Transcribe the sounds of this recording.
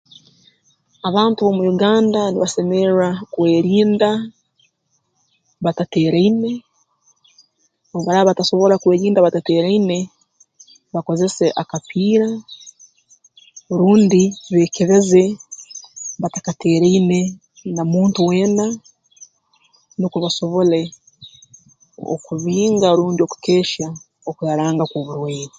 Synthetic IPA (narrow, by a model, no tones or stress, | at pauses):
aβaːntuomujuɡaːndaniβase̞meɾakwe̞ːɾiːnda | βatate̞ːɾejne̞ | oβaɾaβataso̞βo̞ɾakwe̞ːɾiːndaβatate̞ːɾajne̞ | βako̞ze̞seʔakapiːɾa | ɾuːndiβe̞ːkeɾe̞ze̞ | βatakate̞ːɾeine̞ | namuːntuwe̞ːna | nukuβaso̞βo̞le̞ | o̰kuβiːŋɡaɾuːndio̞ku̥keːʃa | okuaɾaːŋɡakwoβuɾweːɾi